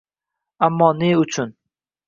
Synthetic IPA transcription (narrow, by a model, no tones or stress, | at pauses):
amːɒːneʊt͡ʃʰʊn